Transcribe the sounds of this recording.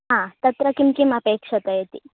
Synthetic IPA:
ɦãːt̪ɐt̪ɾɐkimkimɐpeːkʂɐt̪ɐjet̪i

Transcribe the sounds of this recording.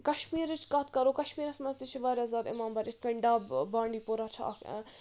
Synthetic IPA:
kɐʃmiːɾit͡ʃʰkɐt̪ʰkɐɾoːkɐʃmiːɾɐsmɐst̪it͡ʃʰiʋaːɾazaːd̪ɪ̰maːmbɐːɾit̪ʰkɐɳɖaːbaːɳɖiːpoɾat͡ʃʰa̰ɐ̰k

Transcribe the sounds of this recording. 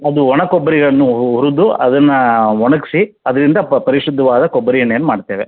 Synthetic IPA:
ɐd̪uɔɳɐkɔbːɐɾiɡɐɭɐnːuuɾud̪uɐ̰d̪ɐnːɐɔɳɐki̥si | ɐd̪ɐɾind̪ɐpɐɾiʂud̪ʱːɐʋaːd̪ɐkɔbːɐɾijɐɳeːnːumaːɖt̪ːeːʋe

